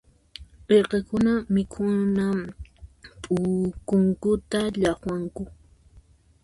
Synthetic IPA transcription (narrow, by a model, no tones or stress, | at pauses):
beqekʊnamɪkʰʊna | pʼʊkʊŋkʊt̪aʎaχwaŋkʊ